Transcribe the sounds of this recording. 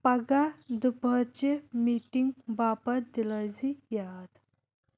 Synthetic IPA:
pɐɡad̪upət͡ɕemiʈiŋɡbapəɾd̪iləd͡zijad̪

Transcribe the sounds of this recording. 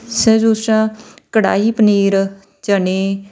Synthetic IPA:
sɛ̃ːzuːsɾãːkəɽa̰ːiːpəniːɾ | d͡ʒəneː

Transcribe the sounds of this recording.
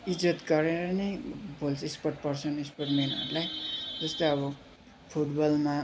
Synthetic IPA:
id͡zʌt̪ɡʌɾeɾʌnʌjbʱolsʰispʌrʈ̚pʌrt͡sʰʌnispʌrʈmenʌ̰ɾulajd͡zʌst̪ojʌβʌ | pʰuʈbʌlma

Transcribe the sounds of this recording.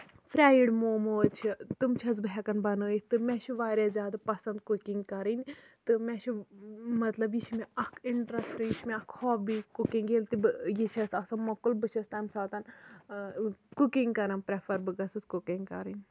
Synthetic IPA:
fʰɾʲaːjiɖmoːmot͡ʃʰit̪ɨmt͡ʃʰɐzbɦɛkɐnbɐnɨːit̪ɨmɛ̃t͡ʃʰuʋaːɾʲjazʲjaːd̪apɐsɐnd̪̚kukiŋɡkɐɾinʲ | t̪ɨmɛ̃t͡ʃʰumɐt̪lɐbjiʃmeɐkʰiɳʈɾɐsʈjiʃmẽɐkʰɔːfbikukiŋɡeːlt̪ibɨjit͡ʃʰɐsɐsɐmɐkulbɨt͡ʃʰɐst̪aːmsaːt̪ɐn | kukiŋɡkɐɾɐnpɾepʰɐɾbɨɡɐsɨskukiŋɡkɐ̰ɾinʲ

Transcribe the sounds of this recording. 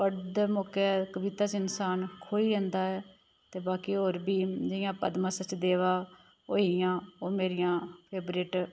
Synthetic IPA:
pəɽd̪moːkɛːkəbit̪aːt͡ʃɪnsaːnkʰoːiːɾɛ̃nd̪aːɛː | t̪eːbaːkiːɦoːɾbiːd͡ʒɪjãːpə̰d̪mãːsət͡ʃd̪eːʋaː | ɦoːijãːoːmeːɾijãːpʰeːbɾeːʈ

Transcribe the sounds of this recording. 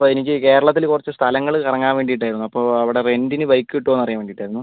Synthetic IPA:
oenikʲːɨke̞ːɾɐɭɐt̪ːilkurɐt͡ɕːɨst̪ʰɐlɐŋːɐɭɨkɐrɐŋːaːnʋe̞ːɳɖijiʈːaːjɾunːuɐpːo̞ːɐʋiɽe̞re̞ndinɨʋɐjkːɨiʈːoːenːɐrijaːnʋeːɳiːʈːaːjiɾunːu

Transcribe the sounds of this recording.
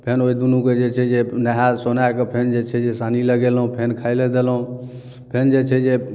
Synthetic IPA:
pʰenoid̪unũked͡ʒet͡ʃʰɛd͡ʒenəɦasonakepʰend͡ʒet͡ʃʰɛd͡ʒesaniləɡelɦũpʰenkʰailed̪elɦũ | pʰend͡ʒet͡ʃʰɛd͡ʒe

